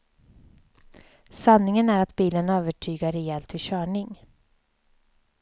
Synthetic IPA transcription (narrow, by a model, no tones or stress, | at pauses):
sanːɪŋənæɾat̪biːlənøːvəʈʰyːɡaɾɛɛlt̪vɪɕœːɳɪŋ